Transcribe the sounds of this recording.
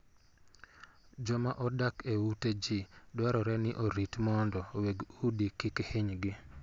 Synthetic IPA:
d͡ʒɔmaʔɔdakewuted͡ʒidwaɾɔɾɛnɪʔoɾitmɔndɔweɡudikɪkheɲɡɪ

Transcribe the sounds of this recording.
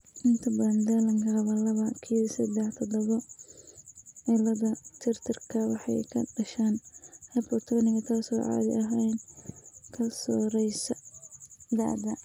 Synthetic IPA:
ʔɪnt̪ʰɐbɐnd̪ɛlɐŋkʰɐβɐlɐβɐkʰiːsɐd̪ɛħt̪ʰɔd̪ɐβɔ | ʕɪlɐðɐt̪ʰɪrt̪ʰɪrkʰɐwɑ̰ħɑ̰jkʰɐɖɐʃaːnhɛpɔt̪ʰɔnɪɣɐt̪ʰaːsɔːʕɑ̰ːd̪ɪ̰ʔɐɦɛjn | kʰɐsɔɾɛjsɐ | d̪a̰ʕd̪ɐ

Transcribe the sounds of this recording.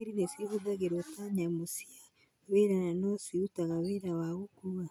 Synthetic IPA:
iɾinesihudaɡeɾotaɲamusia | βeɾananosiutaɣaβeɾawaɣukuβa

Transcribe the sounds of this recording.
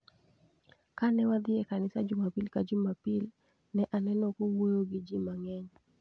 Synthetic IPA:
kanɛwad̪ɪɛkanɪsad͡ʒumapilkad͡ʒumapil | nɛʔanɛnɔkumojoɡɪd͡ʒimaŋɛɲ

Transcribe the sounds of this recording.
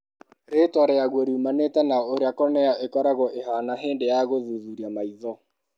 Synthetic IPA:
ɾetwaɾɛaɣweɾuːmanetɛnaoɾeakɔnɛaʔekɔɾaɣɔʔeɦanaɦeːndejaɣoðuðuɾiamaiðɔ

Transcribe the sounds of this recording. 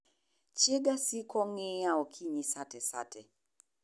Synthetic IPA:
t͡ʃɪɡasikɔŋɪaɔkʰiɲisatɛsa̰tʰɛ

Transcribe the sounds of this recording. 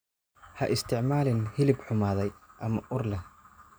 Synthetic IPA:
hɐʔɪst̪ʰɪʕmaːlɪnhɪlɪbħʊmaːðɛjʔɐmɐʔʊrlɛ

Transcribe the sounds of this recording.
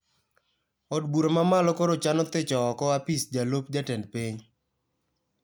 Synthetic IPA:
ɔdbuɾomamalɔkoɾot͡ʃanɔt̪et͡ʃɔːkɔapisd͡ʒalopd͡ʒatɛnpiɲ

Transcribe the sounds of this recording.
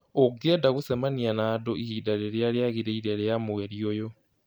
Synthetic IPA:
oɡɛdaɣusɛmanianaːdoʔihiːdaɾeɾeaɾeaɣiɾɛiɾɛɾejamoɛɾiojo

